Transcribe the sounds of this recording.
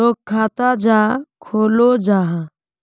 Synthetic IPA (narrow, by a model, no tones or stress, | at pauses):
oːkʰːaːt̪ad͡ʒaːkʰoːlod͡ʒaːɦ